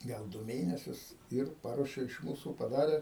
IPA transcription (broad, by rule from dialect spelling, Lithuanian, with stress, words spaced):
ˈɡɐlˠ ˈdʊ ˈmʲeːnʲɛsʲʊs ɪr ˈpɑːruɔʃʲɛ ɪʃ ˈmuːsuː pɐˈdɑːrʲɛ